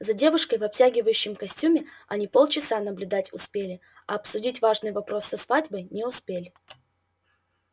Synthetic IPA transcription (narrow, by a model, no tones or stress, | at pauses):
zɐdʲe̞vʊʂkəjvɐp̚tʲæɡʲɪvəjʉɕːɪmkɐsʲtʲumʲɪɐnʲipo̞lˠt͡ɕɪsanəblʲʊd̪atʲʊspʲelʲɪ | ɐɐpsʊdʲitʲvaʐnɨjvɐpɾo̞sːɐsvadʲbəjnʲɪʊspʲelʲɪ